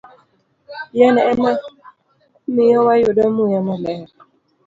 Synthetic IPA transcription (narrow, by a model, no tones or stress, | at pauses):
jɛnɛːna | mɪjɔwajʊdamujamalɛɾ